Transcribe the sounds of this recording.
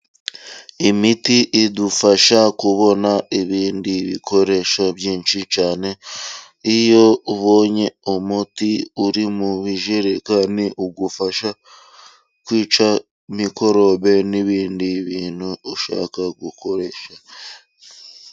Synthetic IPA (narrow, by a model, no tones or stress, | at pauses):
imitiʔidufaʃakuβo̞naiβiːndiβḭkʰo̞ɾe̞ʃaβjiːnʃit͡ʃaːne̞ | ijo̞βoːɲe̞omutiuɾimuβiʒeɾekaniʔuɡufaʃa | kwiːt͡ʃa | miko̞ɾo̞βe̞niβiːndiβiːn̥huoʃa̰ːkaɡukʰo̞ɾe̞ʃa